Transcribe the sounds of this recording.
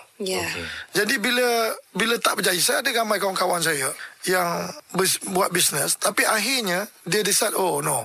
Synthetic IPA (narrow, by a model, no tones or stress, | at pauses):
jɛd͡ʒadibiləbilət̪aʔbəd͡ʒajisajːdəɡamajkawaŋkawaŋs̬ajəjaŋbəsbuat̪̚bisnəst̪apiʔaɦiɲədiədisadono